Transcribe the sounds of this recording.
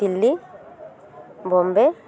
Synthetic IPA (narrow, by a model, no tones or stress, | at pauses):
ilːi | bɔmbe